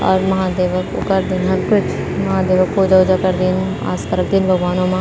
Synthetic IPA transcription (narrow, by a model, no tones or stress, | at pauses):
ɔ̰ːɾmɐɦãːd̪eːʋəkʊ̰kəɾd̪ɪnɦəɾkʊt͡ʃʰ | mɐɦãːd̪eːʋəkpoːd͡ʒaod͡ʒakəɾd̪iːn | a̰ːskəɾək̚d̪ɪnbʱəɡʋaːnõːmãː